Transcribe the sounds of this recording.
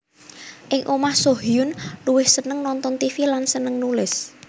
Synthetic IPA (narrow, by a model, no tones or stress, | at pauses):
ʔɪŋʔomahsoɦijʊnluwɪhsənəŋnɔnt̪ɔnt̪ifilansənəŋnulɪs